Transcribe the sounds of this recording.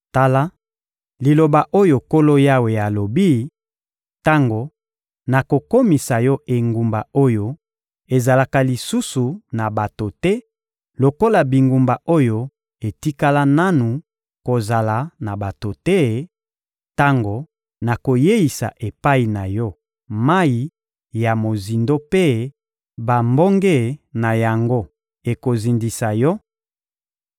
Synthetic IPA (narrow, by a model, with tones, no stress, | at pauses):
ta˦la˦ | li˨lo˨ba˨ʔo˦jo˨ko˦lo˦ja˦we˨a˨lo˨bi˦ | ta˦ŋɡo˨ | na˨ko˨ko˦mi˨sa˨jɔ˦ʔe˨ŋɡu˨mba˨o˦jo˦ | e˨za˨la˨ka˨li˨su˦su˨na˨ba˨to˨tɛ˦ | lo˨ko˦la˨bi˨ŋɡu˨mba˨ʔo˦jo˦ | e˨ti˦ka˦la˦na˦nu˨ | ko˨za˨la˨na˨ba˨to˨tɛ˦ | ta˦ŋɡo˨ | na˨ko˨je˦i˨sa̰˨ʔe˨pa˦i˨na˨jɔ˦ | ma˦i˦ | ja˨mo˨zi˨ndo˦pe˦ | ba˨mbo˦ŋɡɛ˦na˨ja˨ŋɡo˦ | e˨ko˨zi˨ndi˨sa˨jɔ˦